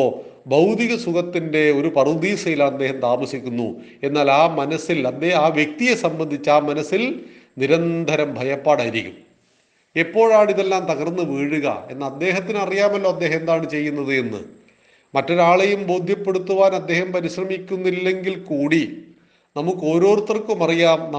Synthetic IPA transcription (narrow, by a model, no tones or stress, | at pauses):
bɐwd̪iɣɐsukɐt̪ːinde̞o̞ɾupɐrd̪iːsɐjilaːnɐd̪ːe̞ːhɐmt̪aːmɐsikʲːunːṵ | e̞nːaːlaːmɐnɐsilɐd̪eːaːʋje̞k̚t̪ijesɐmbɐnd̪ʱit͡ɕːaːmɐnɐsːilniɾɐnd̪ʱɐɾɐmbʱɐjɐpːaːɽaːjiɾikʲːum | epːo̞ːɻaːɳiðelːaːmt̪ɐɣɐrnːɨʋiːɻuɣɐ̰e̞nːaɐd̪ːe̞ːɦɐt̪̬ːinɐrijaːmɐlːo̞ːɐd̪ːe̞ːɦɐmend̪aːɳɨt͡ɕe̞jːunːɐðɨenːɨ̰ | mɐtːo̞ɾaːɭejumbo̞ːd̪ʱjɐpːe̞ɽut̪ːuʋaːnɐd̪ːe̞ːhɐmpɐɾiɕrɐmikʲːunːilːe̞ŋɡilkuːɽi | nɐmukːo̞ːɾo̞ːrut̪ːɐrkumɐrijaːmnɐ